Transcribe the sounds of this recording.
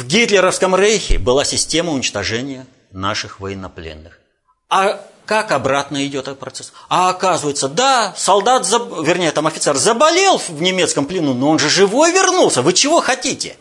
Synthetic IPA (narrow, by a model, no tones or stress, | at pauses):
vɡʲit̪lʲɪɾəfskəmrejxʲɪ̰bɨlˠasʲɪsʲtʲe̞məʊnʲɪt͡ɕt̪ɐʐɛnʲɪjə | na̰ʂɨxvəjɪnːɐplʲḛnːɨx | akakɐbɾat̪nəɪdʲo̞t̪̚pɾɐt̪sɛsɐːkazɨvəjɪt̪səd̪asɐlˠd̪at̪zəvʲɪrnʲejət̪amɐfʲɪt̪sɛrzəbɐlʲelˠvnʲɪmʲe̞t̪skəmplʲɪnunoonʐɨʐɨvo̞jvʲɪrnulˠsʲəvɨt͡ɕɪvo̞xɐtʲitʲɪ̰